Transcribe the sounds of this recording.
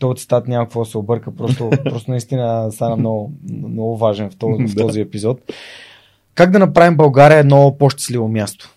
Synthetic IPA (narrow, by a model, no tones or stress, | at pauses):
t̪ɔt̪si̥t̪at̪nʲaməkkvɔd̪ɐsɛobɤɾkəpɾɔst̪opɾɔst̪onɐist̪inəst̪anɐmnɔɡʊmnɔɡʊvaʒɛnft̪ɔft̪ɔziɛpizɔt̪ | kaɡd̪ɐnɐpɾavimbɐlˠɡaɾʲiəːd̪nɔpoʃt̪ɛ̥slivomjast̪o̥